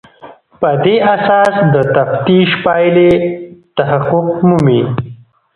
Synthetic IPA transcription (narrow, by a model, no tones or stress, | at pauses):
pəd̪eʔasɑsd̪ət̪aft̪iʃpɑjlet̪aɦaqʊqmumi